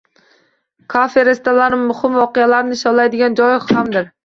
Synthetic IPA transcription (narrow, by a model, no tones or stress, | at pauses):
kʰafeɾest̪ɛlaɾnɪmuχɨmwɒqɨjɛlaɾnɪʃɑlˠajd̪ɪɡʲɛnd͡ʒɒjχhamd̪ɪɾ